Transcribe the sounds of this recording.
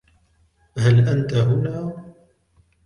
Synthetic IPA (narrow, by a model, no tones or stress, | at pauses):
halʔant̪aɦʊnaː